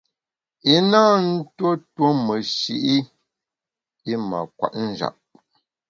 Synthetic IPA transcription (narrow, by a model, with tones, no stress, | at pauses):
i˦naː˦n̩˦two˦two˦mə˨ʃḭ˦ʔi˦ | i˦ma̰˨kwa̰˨ʔn̩˨d͡ʒa̰˨p̚